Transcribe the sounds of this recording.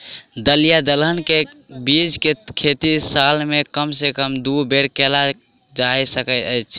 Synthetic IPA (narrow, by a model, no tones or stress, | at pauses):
d̪əlijad̪ələnke | bid͡ʒkekʰet̪isalmekəmsekəmd̪ubʱeɾkela | d͡ʒajsəkət̪əjt͡ʃʰ